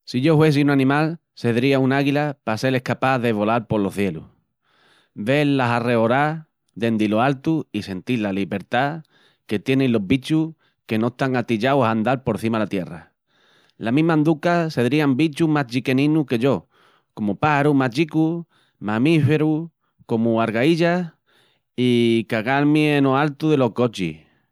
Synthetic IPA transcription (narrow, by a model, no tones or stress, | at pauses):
siʝo̞hwe̞s̬iunanĩmal | se̞ðɾiaunaɣilapase̞le̞hkapaðe̞β̞o̞lalpo̞lo̞θje̞lṵ | be̞llaɦare̞o̞ɾa | d̪e̞nd̪iloalt̪uise̞nt̪ilaliβe̞ɾt̪a | ke̞t̪je̞nenlo̞ɦβit͡ʃuh | ke̞noeht̪aŋat̪iʎawsand̪alpo̞ɾθimalat̪je̞ra̰ | lamĩɦmãnd̪ukase̞ðɾiambit͡ʃumaɦt͡ʃike̞nĩnuke̞ʝo̞ | ko̞mupahaɾumaʎiku | mãmife̞ɾu | ko̞muaɾɣaiʎa | ikaɣalmienoalt̪uðe̞lo̞hko̞t͡ʃḭh